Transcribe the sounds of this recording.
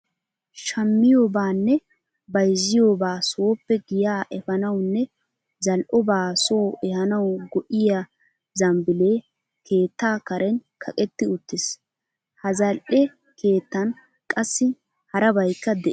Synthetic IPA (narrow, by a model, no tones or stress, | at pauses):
ʃɐmːɪjoːbaːnːɛ | bɐjzɪjoːbaːso̞ːpːɛɡɪjaːʔɛfɐnɐwnːɛ | zɐlʔɔbaːso̞ːʔɛhɐnɐwɡɔʔɪja | zɐmbɪleː | kʰe̞ːt̪ːaːkɐɾɛnkʰɐkʼɛt̪ːɪʊt̪ːɪs | hɐzɐlʔɛ | kʰe̞ːt̪ːɐn | kʼɐsːɪ | hɐɾɐbɐjkːɐd̪ɛʔ